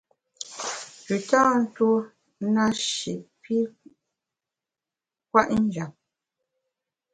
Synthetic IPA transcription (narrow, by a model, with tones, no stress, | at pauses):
pi˨ta˦n̩˦two˦ | na˦ʃḭ˨ʔpi˦ | kwa˦ʔn̩˦d͡ʒa˨p